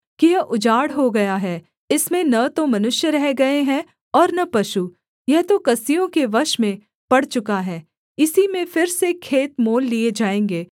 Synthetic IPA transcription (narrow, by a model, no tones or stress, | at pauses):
kɪjɐʔʊd͡ʒaːɽɦoɡɐjaɦɛː | ɪsmẽnɐt̪omɐnʊʃjəɾɛɦɡɐeɦɛ̃ | ɔːɾnɐpɐʃu | jɛɦt̪okɐsijõkeʋɐʃmẽ | pɐɽt͡ʃʊkaɦɛː | ɪsimẽfɪɾsekʰeːt̪moːlːied͡ʒaːẽːŋɡeː